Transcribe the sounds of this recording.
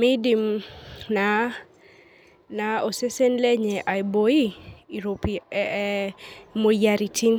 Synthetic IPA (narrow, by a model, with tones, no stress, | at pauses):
mi˦di˨mna˨˦ | na˨o˨se˦se˦nle˦ɲɛ˨ʔa˨jbo˨i˦˨ɾo˨pi | mo˨ja˨ɾi˨tʰi˦n